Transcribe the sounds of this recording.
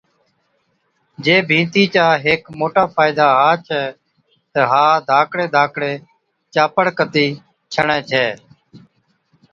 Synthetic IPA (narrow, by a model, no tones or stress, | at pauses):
d͡ʒeːbʱĩːt̪iːt͡ʃaːɦeːkmoːʈaːpʰaːɪd̪aːɦaːt͡ʃʰɛː | t̪əɦaːd̪ʱaːkʰɽeːd̪ʱaːkʰɽeː | t͡ʃaːpəɽkət̪iː | t͡ʃʰəɳɛ̃ːt͡ʃʰɛː